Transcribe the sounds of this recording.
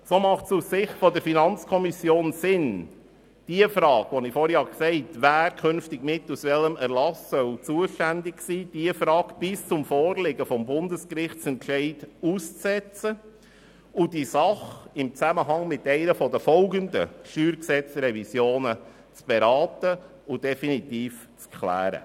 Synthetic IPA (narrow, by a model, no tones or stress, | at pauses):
somɑχtsussɪχtfɔdəɾfinɑnt͡skʰɔmisjoːnsɪn | d̥iəfɾɑːɡ̥ʋɔnifɔɾhjhɑksɛɪtʋæːɾkʰʏnftɪɡ̥mɪtːusʋɛləmæɾlɑsœwt͡suəʃtændɪksiːd̥iəfɾɑːkb̥ɪst͡sʊmfɔːrlɪɡəfɔmbʊndəskɾɪχtt͡sɛntʃɛɪduːst͡sɛt͡sə | ʊd̥isɑχɪmt͡sæməɦɑŋmɪt̪ɛɪnəfɔdəfɔlɡəndə̰ʃyːɾksɛt͡sɾɛvisjoːnə | t͡sb̥ɛɾɑːtə | ʊd̥ɛfinit̪iːf | t͡skʰlæ̰ːɾə̰